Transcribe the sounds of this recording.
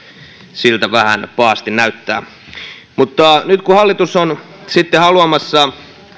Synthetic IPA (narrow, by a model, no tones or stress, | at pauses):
silt̪æʋæhænpɑːst̪innæyt̪ːæ̰ː | mut̪ːɑnyt̪kuhɑlːit̪usːon | sit̪ːehɑluɑmɑsːɑ